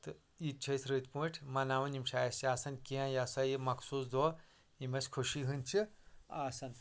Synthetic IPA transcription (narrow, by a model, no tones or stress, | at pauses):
t̪ɨ | it͡ʃʰɐsɾɨt̪pũʈʲʰmɐnaːʋɐnimʃʰaːjɐsaːsɐnkiãjasɐjimɐkʰsuːsd̪o | imɐsʲkʰuʃiɦɨnʲt͡ʃʰiaːsɐn